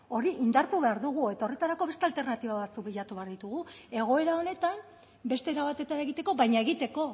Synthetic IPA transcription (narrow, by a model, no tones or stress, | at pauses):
o̞ɾiʔind̪aɾt̪uβe̞aɾðuɣ̞ue̞t̪ao̞re̞t̪aɾako̞βe̞st̪e̞alt̪e̞rnat̪iβaβat͡suk̚biʎat̪uβe̞aɾðit̪uɣ̞ue̞ɣ̞o̞e̞ɾao̞ne̞t̪am | be̞st̪e̞ɾaβat̪e̞t̪ane̞ɣit̪e̞ko̞βajɲae̞ɣit̪e̞ko̞